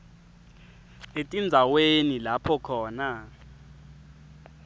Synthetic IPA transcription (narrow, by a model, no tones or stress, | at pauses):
etʼind͡zʱawenilapʰɔkʰɔːna